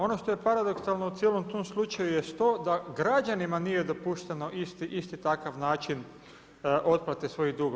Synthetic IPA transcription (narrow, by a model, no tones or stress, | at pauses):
o̞no̞ʃt̪oje̞paɾad̪o̞ksalˠno̞ut̪jelo̞mt̪oːmslˠut͡ʃajujest̪oːd̪aɡɾad͡ʒanimanije̞d̪o̞puʃt̪eno̞ʔist̪iʔist̪it̪akaʋnaːt͡ʃin | ʔo̞t̪̚plˠat̪esʋo̞id̪uɡo